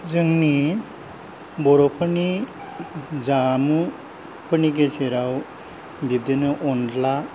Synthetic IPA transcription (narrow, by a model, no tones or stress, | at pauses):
zɯŋni | bɔɾɔpʰɯni | zamɯ | pʰɯniɡeseɾaw | bib̚denɯʔɔnla